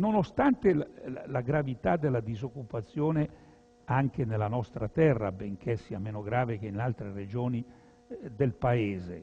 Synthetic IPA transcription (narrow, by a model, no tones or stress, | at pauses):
nonost̪ant̪elalaɡɾavit̪ad̪ːelːad̪izokːupat̪sːjoːne | aŋk̟enelːanɔst̪ɾat̪ɛrːa̰beŋkʰesiːameːnoɡɾaːvek̟einalt̪ɾered͡ʒoːni | d̪elpaeːzḛ